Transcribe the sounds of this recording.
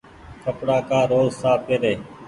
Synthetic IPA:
kʰəpɽaːkaːɾoːzsaːpeːɾeː

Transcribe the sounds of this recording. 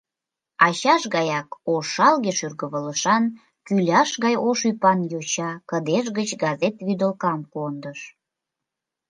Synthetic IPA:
ɑɕɑʃɣɑjɑkoʃɑlɣeʃyrɣəβələʃɑn | kylʲɑʃɣɑjoʃypɑnjot͡ɕɑkəd̪eʃ̬ɣət͡ɕɡɑzet̪βyd̪əlkɑmkond̪əʃ

